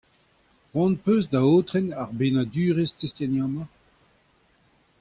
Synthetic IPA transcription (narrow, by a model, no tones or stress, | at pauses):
ʁwɑ̃npøzd̪aoːt̪ʁɛnaʁbeːnad̪yːʁest̪est̪janjɑ̃ːmɑ̃